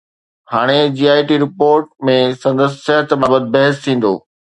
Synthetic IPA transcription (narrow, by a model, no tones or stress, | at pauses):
haːɽ̃ed͡ʑiːaːiʈiɾɪpoːɾʈ̚mẽsɐ̃nd̪əs̬ːɐɦət̪baːbət̪̚bɐɦəst̪ʰĩːn̆d̪o̰ː